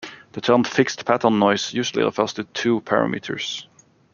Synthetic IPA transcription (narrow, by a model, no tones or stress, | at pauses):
ðətʰɜ̃˞nfɪkstpʰætə̃˞nːɔɪsjʉʒl̩ˠḭə̰fɛstɨd̚tʰʉːpʰæɹə̰mḭtʰə̰˞s